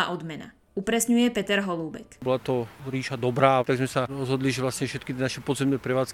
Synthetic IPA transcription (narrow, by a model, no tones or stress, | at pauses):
aʔɔd̪mɛna̰ | upɾɛsɲujɛpɛt̪ɛɾɦɔluːbɛ̰kbɔlat̪ɔɾiːʃad̪ɔbɾaːt̪aɡzmɛsaɾɔzɦɔd̪liʒɛʋlasɲɛfʃɛt̪̚kit̪ɪɛnaʃɛpɔd̪zɛmnɛːpɾɛʋaːt͡sk